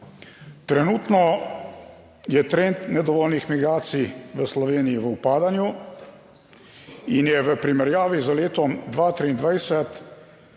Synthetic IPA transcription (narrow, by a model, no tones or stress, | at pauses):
t̪ɾɛnuːt̪nɔ | jɛt̪ɾent̪nɛd̪ɔʋɔːlnixmiɡɾaːt̪siʋəslɔʋeːnijiʋəupaːd̪anju | injɛʋəpɾimɛɾjaːʋizaleːt̪ɔmd̪ʋat̪ɾiːnd̪ʋajsɛt̪